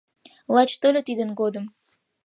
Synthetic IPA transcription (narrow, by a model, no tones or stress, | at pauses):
lˠɑt͡ɕt̪ølʲet̪id̪ənɡod̪əm